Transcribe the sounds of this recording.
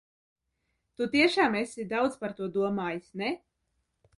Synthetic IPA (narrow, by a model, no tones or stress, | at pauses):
t̪ut̪iɛʃaːmesid̪awd̪zspaɾt̪uɔd̪uɔmaːjisʲnɛ